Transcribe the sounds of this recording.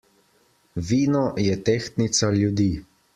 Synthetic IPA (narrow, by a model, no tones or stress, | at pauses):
ʋiːnɔjɛt̪eːxt̪nit̪saljud̪iː